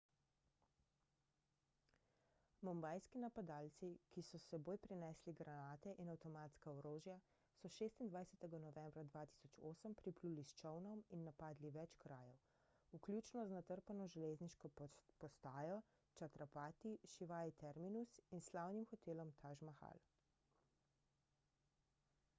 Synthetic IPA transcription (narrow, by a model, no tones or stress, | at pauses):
mɔmbaːjskinapad̪aːlt̪sikisɔsɛboːjpɾinɛsliɡɾanaːt̪ɛʔinawt̪ɔmaːt̪skaɔɾoːʒja | sɔʃest̪ind̪ʋajsɛt̪ɛɡanɔʋɛmbɾad̪ʋaːt̪i̥sɔt͡ʃoːsəmpɾipluːlist͡ʃɔwnɔminːapaːd̪liʋɛt͡ʃkɾaːjɛw | uklʲjuːt͡ʃnɔznat̪əɾpanɔʒɛlezniʃkɔpɔst̪aːjɔ | t͡ʃat̪ɾapaːt̪iʃiʋaːit̪ɛɾminusinslawnimxɔt̪eːlɔmt̪ʰaʒmaxa̰l